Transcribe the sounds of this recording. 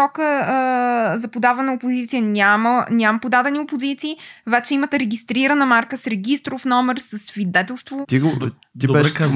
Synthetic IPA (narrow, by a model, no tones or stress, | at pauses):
ɔkə | zɐpod̪avɛnəopʊzit̪sijənʲamənʲaməpʊd̪ad̪ɛniopozit̪siːvɛt͡ʃɛimət̪ɛɾɛɡʲist̪ɾiɾənəmaɾkəsɾɛɡ̟ʲist̪ɾʊfnɔmɛɾsəsːvid̪ɛt̪ɛlˠst̪vot̪iɡo | t̪ibɛʃa